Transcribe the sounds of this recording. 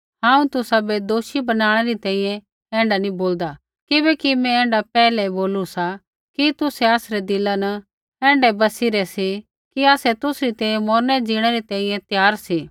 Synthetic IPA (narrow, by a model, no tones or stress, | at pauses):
ɦãːũt̪ʊsabed̪oːʃibɐnaːɽ̃ɛɾit̪ɛ̃ːĩjɛ̃ | ɛ̃ːɳɖanĩboːld̪a | kɪbɛkimɛ̃ɛ̃ːɳɖapɛːlɛboːlusa | kit̪ʊsɛaːsɾɛd̪ɪlːanɐ | ɛ̃ːɳɖɛbɐsiɾɛsi | kiaːsɛt̪ʊsɾit̪ɛ̃ːĩjɛ̃mɔːɾnɛd͡ʒiːɽ̃ɛɾit̪ɛ̃ːĩjɛ̃t̪jaːɾsiː